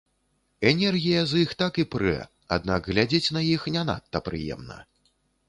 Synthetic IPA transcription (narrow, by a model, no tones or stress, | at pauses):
ɛnʲɛrɣʲijɐzixt̪akipɾɛ̰ | a̰d̪̚naɡɣlʲad͡zʲet͡sʲnɐjixnʲɛn̪a̰t̪ːɐpɾɨ̰jɛ̰mnɐ̰